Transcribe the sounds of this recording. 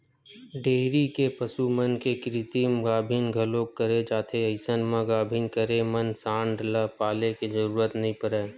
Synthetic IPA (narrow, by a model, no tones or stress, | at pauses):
ɖeːɦɾikepəsumənkekɾit̪imɡaːbʱinɡʱɐlokːəɾed͡ʒaːt̪ʰeəɪsənmãɡaːbʱiːnkəɾemənsãːɳɖləpaːlekizəɾuːɾət̪nɐɦĩpəɾeː